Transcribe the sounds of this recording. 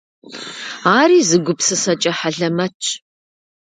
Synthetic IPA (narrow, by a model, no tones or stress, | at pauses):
aːɾiːzɨɡʷʊpsɨsɐt͡ʃʼɐħaɮɐmɐt͡ʃʰʼ